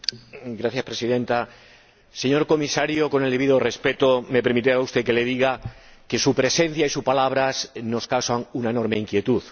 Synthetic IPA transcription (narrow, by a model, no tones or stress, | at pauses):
ɡɾaθjaspɾe̞siðẽ̞nt̪a | se̞ɲo̞ɾko̞misaɾjoko̞neld̪eβiðore̞spe̞t̪ome̞pe̞ɾmit̪eɾaust̪eke̞le̞ðiɣake̞supɾe̞sẽ̞n̟θjaisupalaβ̞ɾasno̞skawsaŋunaeno̞ɾme̞iŋkje̞t̪uð